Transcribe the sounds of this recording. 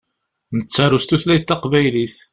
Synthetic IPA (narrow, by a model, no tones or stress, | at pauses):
nət͡sːæɾust̪uθlæjt̪ːɑqvæjliθ